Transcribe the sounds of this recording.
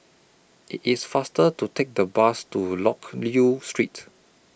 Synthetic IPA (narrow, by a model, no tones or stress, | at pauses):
ʔḭtisfastətutʰek̚dəbastulɔkljustɹit